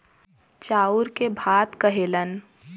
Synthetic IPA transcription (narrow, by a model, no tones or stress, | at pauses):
t͡ʃaːuɾkebʱaːt̪kəɦelən